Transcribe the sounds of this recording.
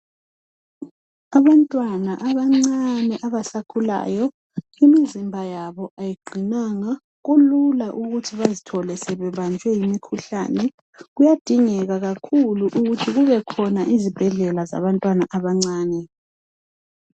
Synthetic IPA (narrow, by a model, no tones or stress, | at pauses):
aβantʼwanaʔaβaŋ͡ǀanɛʔaβasakʰula̰ːjɔ | imizimbʱajaβɔʔajiɡ͡ǃʱinaŋa | ɣululaʔuɣutʰiβazitʰɔlɛsɛβɛβand͡ʒʱwɛjimikʰuɬa̰ːnɛ | ɣujad̥ʱiŋɛɣaɣakʰuluʔuɣutʰiɣuβɛkʰɔnaʔizib̥ʱɛɮɛlaza̰βantʼwanaʔaβaŋ͡ǀaːnɛ